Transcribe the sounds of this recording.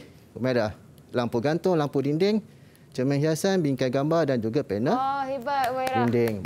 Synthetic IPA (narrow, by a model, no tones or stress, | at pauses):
umadah | lampuɡant̪ʊŋlampudindɪŋ | t͡ʃəmɛ̃ɦiasanbiŋkaɡambadand͡ʒuɡapɛnəhibat̚indɪŋ